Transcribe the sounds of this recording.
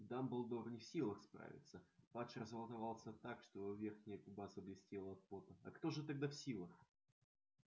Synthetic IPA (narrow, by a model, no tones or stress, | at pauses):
d̪ambɨlˠd̪oɾnʲɪfsʲilˠəxspɾa̰vʲɪ̰t̪səpat͡ʃɾəzəlˠət̪ɐvɑlˠsʲət̪akʂt̪obɨvʲe̞rxnʲɪjəkʊbasəblʲɪsʲtʲelˠəɐt̪̚po̞t̪əɐ̰kt̪o̞ʐɨt̪ɐɡ̚d̪afsʲilˠəx